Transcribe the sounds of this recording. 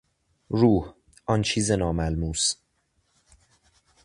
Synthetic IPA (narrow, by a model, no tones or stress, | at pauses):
ɾuːh | ʔɒnt͡ʃʰiːzenɒːmælmuːs